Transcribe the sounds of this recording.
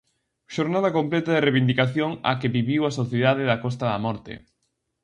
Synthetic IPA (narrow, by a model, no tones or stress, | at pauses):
ʃoɾnaðɐkomplɛt̪aðɪreβind̪ikaθjoŋa̰keβiβiwasoθjeðaðɪðɐkɔs̬t̪ɐðɐ̰mɔɾt̪ḛ